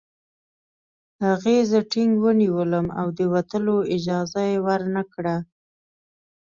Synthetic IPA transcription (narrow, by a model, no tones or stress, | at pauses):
haɣezəʈɪŋɡwəniwələma̰wd̪əwat̪əloɪd͡ʒɑzajewaɾnakɽa